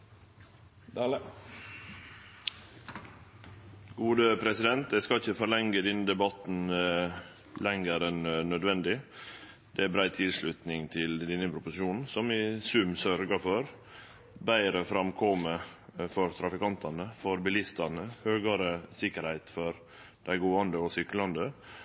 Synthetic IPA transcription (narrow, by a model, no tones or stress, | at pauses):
ɡuːd̪əpʰɾɛsɪd̪ɛnt̪̚d̪ɛskɑlɪçəfɔɾɭɛŋɡəd̪ɛnːəd̪ɛbɑt̪n̩ | lɛŋəɾɛnːœd̪ʋɛnd̪ɪ | d̪ɛæbɾæɪt̪ʰɪlʂlʉt̪nɪŋt̪ʰɪld̪inəpʰɾʊpʊsɪʃuːnn̩sɔmɪsʉmsœɾɡəfɔɾ | bæɪɾəfɾɑmkʰɔməfɔɾt̪ʰɾɑfɪkɑnt̪ʰɑnəfɔɾbɪlɪst̪ɑnəhøːɡɑɾəsɪkəɾhæɪt̪fɔɾ | d̪̥æɪɡoːɑnd̪əɔsʏklɑnd̪ə